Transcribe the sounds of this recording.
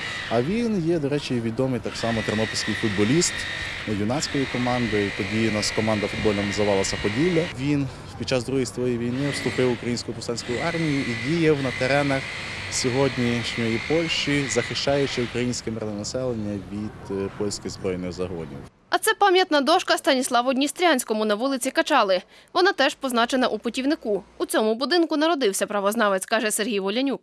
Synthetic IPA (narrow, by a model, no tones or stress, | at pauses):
ɐʋʲinjɛd̪ɔɾɛt͡ʃiʋʲid̪ɔmɪjt̪ɑksɑmɔt̪ɾnɔpʲɪlʲsʲkɪjfʊd̪bɔlʲist̪ | nɐjʊnɑt͡sʲkɔjikɔmɑnd̪ɪt̪ɔdʲinɑskɔmɑnd̪ɐfʊd̪̚bɔlʲnɔmɐzɐʋɑlˠɐsɐpɔdʲilʲːɐʋʲin | pʲid̪̥t͡ʃɑsd̪ɾuɦijisɔjijʋʲijnɪwst̪ʊpɪwʊkɾɐjinʲsʲkʊjʊp̪ʊsɑnʲsʲkɔjʊɑrmʲijʊʔidʲijɐwnɐt̪eɾɛnɐxsʲɔɦɔdʲnʲiʃnʲɔjipɔlʲʃt͡ʃizɐxɪʃt͡ʃɑjʊt͡ʃɪʊkɾɐjinʲsʲkɛmɪɾnɛnɐsɛlˠenʲːɐʋʲid̪̥pɔlʲsʲkʲɪzbɾɔjnɪɣzɐɦɔ̰nʲḭw | ɐt̪sɛpɑmʲjɐt̪nɐd̪ɔʃkɐst̪ɐnʲislˠɑʋʊdʲnʲist̪ɾʲanʲsʲkɔmʊnɐʋulˠɪt͡sʲikɐt͡ʃɑlˠɪ | ʋɔnɑt̪ɛʒpɔznɑt͡ʃenɐʔupʊtʲiwnɪkuut͡sʲɔmʊbʊd̪ɪnkʊnɐɾɔd̪ɪwsʲɐpɾɐʋɔznɑʋet͡sʲkɑʒɛserɦʲijʋɔlʲɐnʲuk̚